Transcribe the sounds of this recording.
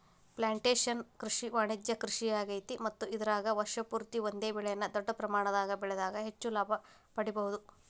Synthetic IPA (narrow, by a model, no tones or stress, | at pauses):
plaːɳʈeːʂɐnkɾiʂiʋaːɳid̪jɐkɾiʂijaːɡɐjt̪imɐt̪ːuid̪ɐɾaːɡɐʋɐɾʂɐpuːɾt̪iʋond̪eːbɛɭɛjɐnːɐd̪ɔɖːɐpɾɐmaːɳɐd̪aːɡɐbɛɭɛd̪aːɡɐɦet͡ʃːulaːbʱɐ | pɐɽibɐɦud̪u